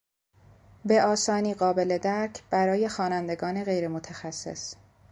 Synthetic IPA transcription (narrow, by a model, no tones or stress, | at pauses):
be̞ɒːsɒːniːɢɒːbe̞le̞d̪æɾcʰb̥æɾɒːje̞xɒːnænd̪e̞ɡɒːneɣe̞jɾemot̪ʰæxæsːe̞̰s